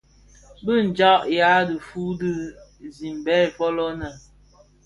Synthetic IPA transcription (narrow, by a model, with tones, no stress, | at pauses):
bɨ˦n̩˨d͡ʒa˦ʔja˨˦dɨ˨fu˦dɨ˦zi˨m˨bɛ˦˨fɔ˦lɔ˦na˨